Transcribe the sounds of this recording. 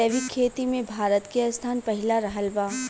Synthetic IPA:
ɛʋikʰeːt̪imẽbʱaːɾət̪keɐst̪ʰaːnpɐɦɪlaɾɐɦəlbaː

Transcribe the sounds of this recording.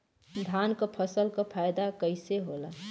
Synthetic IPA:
d̪ʱaːnkapʰəsəlkapʰaːjd̪akəɪseɦola

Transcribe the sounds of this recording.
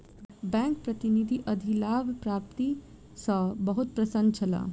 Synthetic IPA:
bɛ̃ːŋk̚pɾɐt̪inid̪ʱiʔɐd̪ʱilaːbpɾaːpt̪i | səbɐɦut̪̚pɾɐsənt͡ʃʰɐla̰ː

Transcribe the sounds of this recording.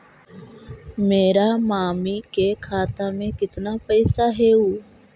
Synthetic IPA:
meːɾaːmaːmiːkeːkʰaːt̪aːmẽːkɪt̪naːpəiːsaːɦeːuː

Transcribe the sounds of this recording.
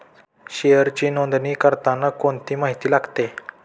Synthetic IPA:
ɕejəɾt͡ɕiːnond̪niːkəɾt̪anːakoɳt̪iːmaɦit̪iːlaɡt̪e

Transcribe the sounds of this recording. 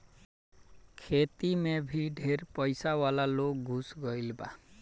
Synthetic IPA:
kʰet̪imebʱiɖʱeɾpɔjsawalalokɡʱusɡɔjleba

